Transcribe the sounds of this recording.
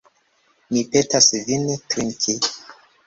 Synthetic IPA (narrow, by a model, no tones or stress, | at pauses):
mipetasvintɾiŋkʰi